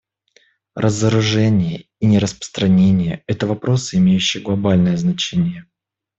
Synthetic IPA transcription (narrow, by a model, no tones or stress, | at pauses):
rʔəzəɾʊʐɛnʲɪjəinʲɪɾəspə̥st̪ɾɐnʲenʲɪjəɛt̪əvɐpɾo̞sɨɪmʲejʉɕːɪjəɡlˠɐbalʲnəjəznɐt͡ɕenʲɪjə